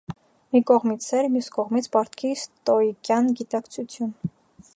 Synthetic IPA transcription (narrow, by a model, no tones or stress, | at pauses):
mikɔʁmit͡sʰɛɾmjuskɔʁmit͡sʰpɑɾt̪ʰkʰist̪ɔikjɑnɡit̪ɑkt͡sʰut͡sʰjun